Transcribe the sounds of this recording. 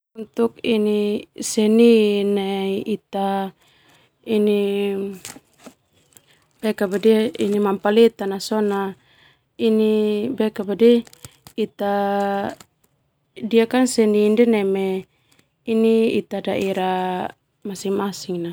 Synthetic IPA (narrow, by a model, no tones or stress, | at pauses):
unt̪uk̚inisɛninɛiit̪a | ini | b̥ɛkabadiinimampalit̪anasɔna | inibɛkabadi | it̪a | diakansɛnindɛnɛme | iniḭt̪adaiɾa | masiŋmasiŋna